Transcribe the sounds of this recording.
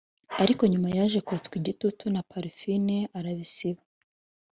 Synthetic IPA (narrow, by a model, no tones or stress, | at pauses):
aɾiko̞ɲumajaːʒe̞kot͡skwiɟitutunapaɾifineaɾaβisiβa